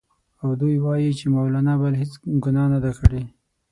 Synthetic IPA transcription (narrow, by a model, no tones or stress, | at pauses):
awd̪ujwɑjit͡ʃemawlanabalɦet͡sɡʊnɑnad̪akəɽe